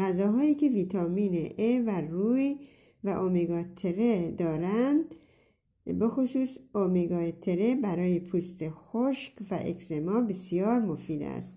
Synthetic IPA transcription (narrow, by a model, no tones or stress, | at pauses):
æzɒːɦɒːiːkʰe̞viːt̪ʰɒmiːneʔeværu | væʔomeɡɒt̪ʰeɾed̪ɒːɾænd̪̥ | be̞xosuːsomeɡɒt̪ʰeɾe̞bæɾɒːjepʰuːst̪exoʃkvæ̰ʔḛkʰzemɒːbesijɒːɾmofiːd̪æ̰st̪